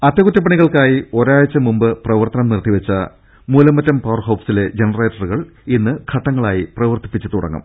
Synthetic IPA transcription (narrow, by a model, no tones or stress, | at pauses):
ɐt̪ːjɐkutːɐpːɐɳiɣɐɭkaːjio̞ɾaːjɐt͡ɕːɐmumbɨprɐʋɐrt̪ɐnɐmnirt̪ʰːiʋɐt͡ɕːɐ̰ | muːlɐmːɐtːɐmpɐːrɦɐwpsile̞d͡ʑenɐre̞ːʈːɐruɣɐɭ | inːɨkʰɐʈːɐŋːɐɭaːjiprɐʋɐrt̪i̥pːit͡ɕːɐt̪uɽɐ̰ŋːɐ̰m